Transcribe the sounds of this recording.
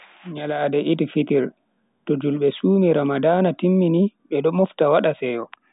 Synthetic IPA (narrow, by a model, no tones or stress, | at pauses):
ɲalaːdɛʔitfitiɾ | tɔd͡ʒulɓɛsuːmiɾamadaːnatimːiniɓɛɗɔmɔftawaɗasɛjɔ